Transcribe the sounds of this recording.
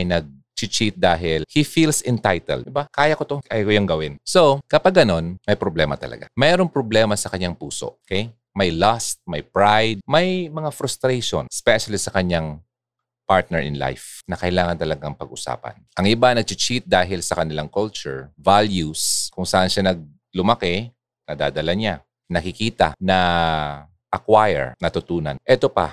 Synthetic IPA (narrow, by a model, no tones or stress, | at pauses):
ɐjnɐɡ̚ | t͡ʃɪt͡ʃit̪̚d̪aːɦɪlhifilsɪnt̪ajt̪ɛ̰lɪbakaːjɐkot̪oʔɐjkojoŋɡɐwɪnsokɐpaɡːɐno̞nmɐjpɾoblɛːmɐt̪ɐ̰lɐ̰ɡa̰mɛːɾoŋpɾoblɛːmɐsɐkɐɲaŋpuːso̰ʔokɛj | mɐjlast̪̚mɐjpɹajd̪̚mɐjmɐŋafɾʊst̪ɾejʃo̰nspɛʃɐlisɐkɐɲːaŋ | paɹt̪̚nɛɹʔɪ̰nla̰jfnɐkɐɪlaːŋɐnt̪ɐlɐɡaŋpɐɡʔʊsa̰ːpɐ̰nʔɐŋʔɪbanɐɡ̚t͡ʃɪt͡ʃit̪̚d̪aːɦɪlsɐkɐnɪlaŋkɔlt͡ʃʊ̰ɹvaljuskʊŋsaʔanʃanɐɡ̚ | lʊmɐkɛ | nɐd̪a̰ːd̪ɐlɐɲa | nɐkɪkiːt̪ɐnɐ | ʔɐkwajɛ̰ɹnɐt̪ʊt̪uːnɐ̰nʔɛt̪opɐ̰